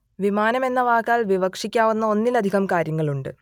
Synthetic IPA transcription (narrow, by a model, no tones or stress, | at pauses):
ʋimaːnɐme̞nːɐʋaːkːaːlʋiʋɐkʂikʲːaːʋunːɐo̞nːilɐd̪ʱiɣɐmkaːɾjɐŋːɐɭuɳɖɨ